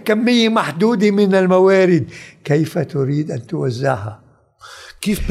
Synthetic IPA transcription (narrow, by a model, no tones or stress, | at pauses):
kamːɪjːamaħd̪uːd̪imɪnalmawaːɾɪd̪̚kejfat̪ʊɾiːd̪ʔant̪ʊwazːɪ̰ʕɦa̰ | keːf